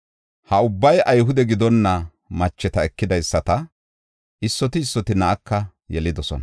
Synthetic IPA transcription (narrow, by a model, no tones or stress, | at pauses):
hɐʊbːɐjʔɐjɦʊd̪ɛɡɪd̪ɔnːɐ | mɐt͡ʃːɛt̪ɐɛkːɪd̪ɐjsːɐt̪ɐ | ʔɪsːɔt̪ɪːsːɔt̪ɪnɐʔɐkːɐ | jɛlɪd̪ɔsɔnɐ